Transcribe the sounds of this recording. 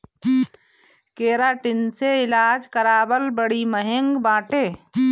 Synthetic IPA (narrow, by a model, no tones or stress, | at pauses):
keːɾaʈɪnseɪlaːd͡ʒkəɾaːbəlbəɽiməɦɪŋɡbãːʈeː